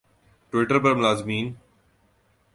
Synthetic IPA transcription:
ʈʋɪʈəɾpɐɾmʊlaːzmiːn

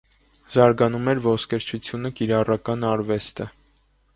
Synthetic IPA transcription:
z̥ɑɾɡɑnumɛɾvɔskɛɾt͡ʃʰut͡sʰjunəkiɾɑrɑkɑnɑɾvɛst̪ə

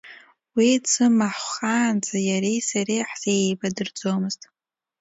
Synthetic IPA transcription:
wisɨmaħχaːnd͡zʰajaɾejsaɾiħz̥eejbadɨrd͡zo̞mɨztʼ

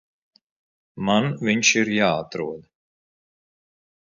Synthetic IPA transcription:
manvʲiɲʃiɾjaːat̪ɾuɔd̪

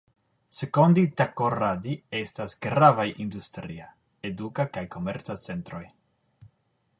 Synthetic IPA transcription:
sekonditakoɾadie̞stasɡɾavajʔindustɾia | edukakajko̞me̞ɾt͡sat͡se̞ntɾo̞j

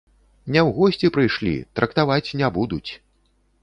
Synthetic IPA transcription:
nʲɛwɣɔsʲt͡sʲipɾɨjʂlʲḭt̪ɾɐkt̪avat͡sʲnʲɛbud̪ut͡sʲ

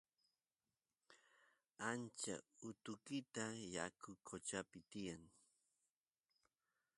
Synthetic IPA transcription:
ant͡ʃa̰ʊt̪ʊkɪt̪ajakʊkʰot͡ʃapɪt̪ɪjaŋ

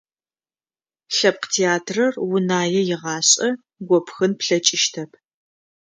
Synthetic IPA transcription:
ɬɐp̚qtʰeaːtʰrɐrwʊnaːjɛjɪʁɑːɕʼɐ | ɡʷɔpʰxɨnpɬɐt͡ʃʼɪʃtʰɐpʰ

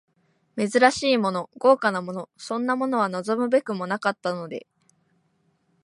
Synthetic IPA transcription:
me̞zɨɾaɕiːmo̞no̞ɡ̥o̞ːkanamo̞no̞sõ̞nːamo̞no̞β̞anozo̞mɯ̟be̞kɯ̟mo̞nakat̪ːano̞d̪e̞̰

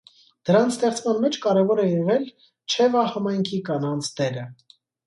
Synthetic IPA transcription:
d̪̥əɾɑnt͡sʰst̪ɛχt͡sʰmɑnmɛt͡ʃʰkɑɾɛvɔɾɛjɛʁɛl | t͡ʃʰɛvɑhɑmɑjŋkʰikɑnɑnt͡sʰd̪ɛɾə

